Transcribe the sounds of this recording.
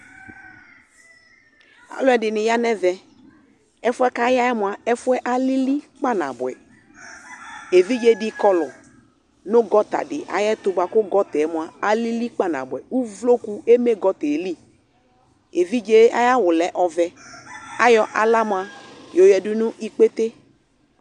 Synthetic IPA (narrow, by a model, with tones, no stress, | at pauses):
a̰˨lʊ˦ɛ˨dɪ˨nɪ˨ja˦nɛ˦vɛ˨ | ɛ˦fʊ˦ɛ˦ka˦ja˦jɛ˦mʊ˨a˨ɛ˦fʊ˦ɛ˦ʔa˦li˦li˦k͡pa˦˨na̰˨bʊ˨ɛ˨ | e˨vi˦d͡ʒe˦dɪ˦kɔ˦lɔ˨ | nʊ˦ɡɔ˦ta̰˨dɪ˨ʔa̰˨jɛ˦t̪ʊ˦ba˨kʊ˦ɡɔ˦tɛ˨˦mʊ˨a˨a˨li˦li˦k͡pa˦na̰˨bʊ˨ɛ˨u˦vlo˦ku˦e˦me˦ɡɔ˦tɛ˨li˦˨ | e˨vi˦d͡ʒe˦a̰˦ja˦wʊ˨lɛ˨ʔɔ˨vɛ˨a˦jɔ˦ʔa˨la˦mʊ˨a˨ | jo˨jɛ˨dʊ˦nʊ˦ʔi˦k͡pe˦t̪e˦